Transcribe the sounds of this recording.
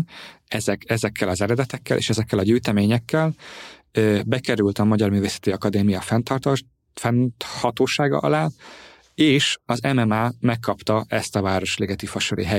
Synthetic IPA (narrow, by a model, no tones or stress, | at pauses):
ɛzɛkɛzɛkːɛlɒzɛɾɛd̪ɛt̪ɛkːɛlʔḛːʃɛzɛkːɛlɒɟyːt̪ɛmeːɲɛkːɛlː | bɛkɛɾylt̪ɒmɒɟɒrmyːveːsɛ̥t̪iɒkɒd̪eːmijɒfɛnt̪ | fɛnhɒt̪oːʃaːɡɒ̰ʔɒ̰laː | eːʃɒzɛmɛmaːmɛkːɒpt̪ɒʔɛst̪ɒvaːɾo̞ʃleːɡɛt̪ifɒʃoɾḭɦɛ